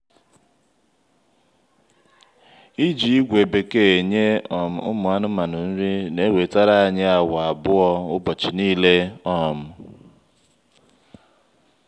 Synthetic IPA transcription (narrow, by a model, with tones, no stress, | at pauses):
i˦d͡ʒi˨i˦ɡʷe˨be˨ke˦e˨ɲe˦ɔ˨m̩˨ʊ̰˦mʊ˨a˦nʊ˦ma˨nʊ˨n̩˦ɾi˦ne˦we˨ta˦ɾa˦a˦ɲe˦a˨wa˨a˨bʊ˦ɔ˦ʊ˦bɔ˨t͡ʃi˨niː˦le˦ɔ˦˨m̩˦